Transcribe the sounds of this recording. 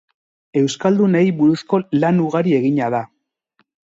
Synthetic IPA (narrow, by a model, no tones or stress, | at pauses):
e̞wskald̪une̞jβuɾusko̞lanuɣaɾie̞ɣiɲaða